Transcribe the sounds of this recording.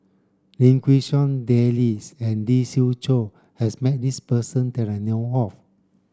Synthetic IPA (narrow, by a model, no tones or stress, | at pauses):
lĩŋkwiʃɔ̃ndɛlisɛ̃ndisilt͡ʃo | hɛsmɛt̚dispəsə̃ntɛɹanɛwɔf